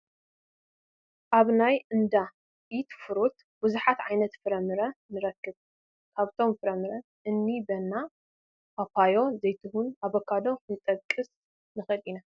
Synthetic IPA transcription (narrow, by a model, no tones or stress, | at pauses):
ʔaβnajɨnd̪a | ʔit̪fɨɾut̪ | b̥ɨzuħat̪ʕajnɐt̪fɨɾɐmɨɾɐnɨɾɐkːɨβ | kʰaβt̪ʰo̞mfɨɾɐmɨɾɐ | ʔɨnːibɐnːa | papʰajo̞zɐjt̪ʰɨhunaβokʰːad̪o̞ɨnt̪ʼɐkʼɨs | nɨxɨlina